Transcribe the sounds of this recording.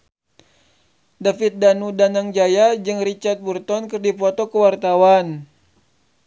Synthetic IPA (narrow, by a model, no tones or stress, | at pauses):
dafit̪̚danudanaŋd͡ʒajad͡ʒɨŋrit͡ʃart̪̚burt̪ɔnkɨrdipɔt̪ɔkəwart̪awan